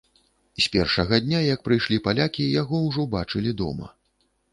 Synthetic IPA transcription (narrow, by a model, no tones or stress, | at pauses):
sʲpʲɛrʂɐɣɐd̪ʲnʲajɐk̚pɾɨjʂlʲipalʲakʲijaɣɔwʐɔbat͡ʂɨlʲid̪ɔ̰mɐ̰